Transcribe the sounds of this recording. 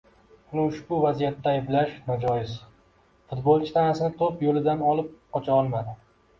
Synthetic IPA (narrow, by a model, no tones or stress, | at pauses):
ʊnɪʊʃbʊvazijat̪ːaːjblaʃnɒd͡ʒɒjɪz | fʊt̪bolˠt͡ʃʰɪ̥t̪ʰanasɪnɪt̪ʰopjolɪd̪anɒlɪp̚qɒt͡ʃʰaɒlˠmad̪ɪ